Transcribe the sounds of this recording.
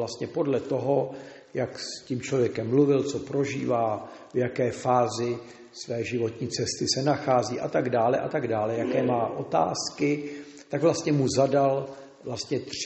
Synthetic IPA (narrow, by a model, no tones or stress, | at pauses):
last̪ɲɛpo̞dlɛt̪o̞ɦo̞ | jaksciːmt͡ʃlo̞vjɛkɛmːluvɪlt͡so̞pɾo̞ʒḭːvaː | vjakɛːfaːzɪ | svɛːʒɪvo̞t̪ɲiːt͡sɛst̪ɪsɛnaxaːziːʔat̪aɡdaːlɛʔat̪aɡdaːlɛjakɛːmaːʔo̞t̪a̰ːskɪ | t̪akvlast̪ɲɛmuzadal | vlast̪ɲɛt̪r